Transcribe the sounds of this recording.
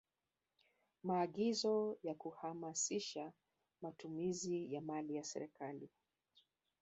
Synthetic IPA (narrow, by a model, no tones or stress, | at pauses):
maːɠizɔjakuhamasiʃa | matumizijamalijasɛ̰ɾɛkali